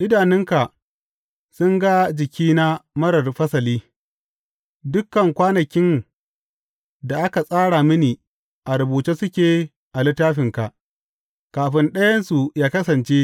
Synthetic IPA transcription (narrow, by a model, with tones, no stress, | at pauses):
ʔɪ˦daː˨nɪ˦ŋka˨ | sʊ˦ŋɡa˦d͡ʒɪ˨kʲiː˦na˦mɐ˦ɽɐ˨rɸɐ˦sɐ˨liː˦ | dʊ˦kːɐ˨ŋkʷaː˦nɐ˨kʲɪ˦n | da˨ʔa˦ka˨sʼaː˦ɽa˨mɪ˦niː˨ | ʔa˨ɾʊ˨buː˨t͡ʃeː˦sʊ˦kʲeː˨ | ʔa˨lɪ˦tːaː˦ɸɪ˨ŋka˨ʔ | kaː˨ɸɪ˦nɗɐ˦jɐ˦nsu˨jaː˦kɐ˦sɐ˨nt͡ʃeː˦